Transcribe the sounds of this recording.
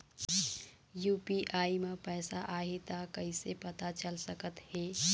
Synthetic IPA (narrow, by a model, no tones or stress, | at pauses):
jupiʔaimepəɪsaʔaɦit̪əkəisepət̪at͡ʃəlsəkət̪he